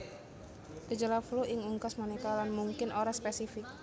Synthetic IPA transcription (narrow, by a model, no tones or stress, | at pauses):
dəd͡ʒalafluʔɪŋuŋkasmanikalanmuŋkɪnoɾaspesifɪk̚